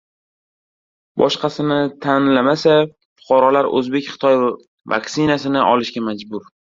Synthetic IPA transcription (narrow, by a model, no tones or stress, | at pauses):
bɒʃqɑsɪnɪt̪ʰanlamasa | fʊ̥qʰɑɾɒlaɾɵ̰zbe̞kʲχɪ̥t̪ʰɒj | va̰kʲsɪnasɪnɪʔɒlɪʃɡʲamad͡ʒbʊɾ